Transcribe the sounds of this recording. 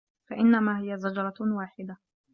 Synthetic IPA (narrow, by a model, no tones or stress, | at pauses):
faʔɪnːamaːɦɪjazad͡ʒɑɾˤɑwaːħɪd̪a